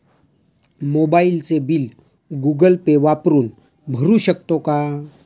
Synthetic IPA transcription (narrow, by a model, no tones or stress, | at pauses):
mobailt͡sebil | ɡuɡəlpeʋapɾuːn | bʱəɾuɕəkt̪oka